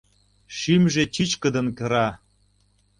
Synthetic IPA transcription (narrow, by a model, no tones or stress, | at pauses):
ʃimʒet͡ɕit͡ɕkə̆d̪ə̆nkɤ̆ɾɑ